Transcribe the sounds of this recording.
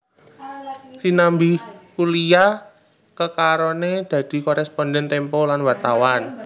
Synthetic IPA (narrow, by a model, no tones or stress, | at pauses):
sinambikulija | kəkaɾoned̪̥ä̤d̪̥i̤kɔɾɛspɔndɛnt̪ɛmpɔlanwart̪awan